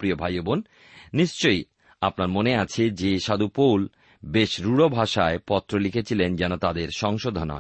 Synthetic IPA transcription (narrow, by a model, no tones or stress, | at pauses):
pɾiobʱajobonː | iʃt͡ɕoj | apnaɾmoneat͡ɕʰed͡ʑeʃad̪upowl | beʃɾuɽobʱaʃaepɔt̪ːɾolikʰet͡ɕʰilend͡ʑɛnot̪ad̪eɾʃɔŋʃod̪ʱonɔ̰e